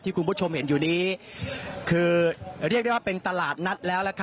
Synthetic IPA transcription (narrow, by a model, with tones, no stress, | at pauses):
t̪ʰːiː˥˩ku˧nbʰt͡ɕʰo˧mhe˩˦njuː˨˩niː˦˥ | kʰɯː˧ɾi˥˩k̚da˥˩jwaː˥˩pe˧nt̪a˧laː˨˩t̪̚na˦˥t̪̚lɛː˦˥wlɛː˦˥kʰa˦˥